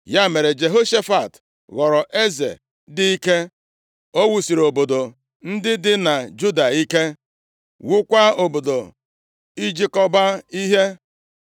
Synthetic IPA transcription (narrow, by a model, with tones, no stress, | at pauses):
ja˦me˨ɾe˨d͡ʒe˨ɦo˦ʃe˦fa˨t | ɣɔ˨ɾɔ˨ʔe˦zḛ˨ | dɪ˦i˦ke˦ | o˦wu˨si˨ɾo˨bo˨do˨ | n̩˦dɪ˦dɪ˦na˨d͡ʒu˦da˨i˦ke˦ | wu˦kʷa˦o˨bo˨do˨ | i˦d͡ʒi˦kɔ˦ba˦i˦ɦe˦